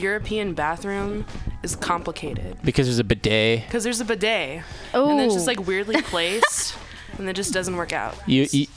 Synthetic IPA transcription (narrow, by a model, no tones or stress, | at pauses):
jʊɹɨpʰiɨ̃nbæθɹʉ̃mɨz̥kʰɑ̃mpləkʰeɪɾɪ̰d̥̚b̥ɨkʰʌzðə˞zɨbɨdeɪkʰʌzðə˞zɨbɨdeɪ | õɨd͡ʒʌtˡlaɪkwɪɹdˡlipʰl̥eɪsst | ɨ̃nɨt̚ʒ̥ʌsd̥ʌz̃n̩ʔwɜ˞ka̰ʊt̚jɨjɨ